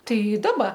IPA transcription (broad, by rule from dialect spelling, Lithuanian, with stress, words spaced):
ˈtɐɪ ˈdɑːbɐ